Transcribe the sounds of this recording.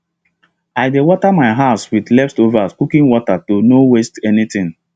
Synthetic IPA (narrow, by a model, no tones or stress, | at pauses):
aɪdewɔtamaɪɦaswidlɛpstovaskukĩŋwɔtatonowestɛnitĩŋ